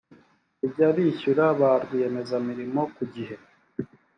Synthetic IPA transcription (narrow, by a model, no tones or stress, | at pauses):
ibɟaβiːçuɾaβaɾɡuje̞me̞zamiɾimo̞kuɟiɦe̞